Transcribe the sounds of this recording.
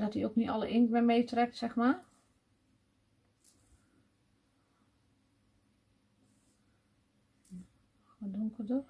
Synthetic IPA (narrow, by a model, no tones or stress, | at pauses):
dɔtiokniɔləʔɪŋkmɛmejtrɛk̚tsɛxma | ɔdoŋkədə